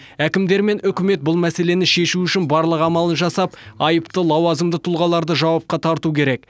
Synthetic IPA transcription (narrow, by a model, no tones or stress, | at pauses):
ækʲɪmd̪e̞ɾme̞nʏkʲɪme̞t̪̚bʊlˠmæse̞le̞nɪʃe̞ʃuʏʃɪnbɑɾlˠəqɑmɑlˠənʒɑsɑpɑjəpt̪əlˠɑwɑzəmd̪ət̪ʰʊlˠʁɑlˠɑɾd̪əʒɑwɑp̚qɑt̪ʰɑɾt̪ukʲʰe̞ɾe̞k